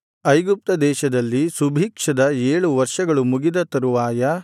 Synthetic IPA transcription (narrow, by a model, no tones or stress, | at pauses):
ɐjɡup̚t̪ɐd̪ɛːʃɐd̪ɐlːisubʱiːkʂɐd̪ɐeːɭuʋɐɾʂɐɡɐɭumuɡid̪ɐt̪ɐɾuʋaːjɐ